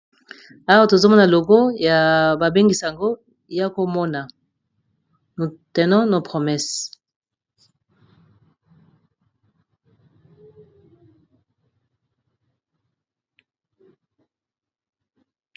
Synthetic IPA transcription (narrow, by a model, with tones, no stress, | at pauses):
a˦wa˦to˨zo˦mɔ˦na˨lo˨ɡo˦ja˨ba˨be˦ŋɡi˨sa˨a˨ŋɡo˦ | ja˦ko˦mɔ˦na˨ | n˨tɛ˨nɔ̃˦no˨pʁo˨mɛ˦s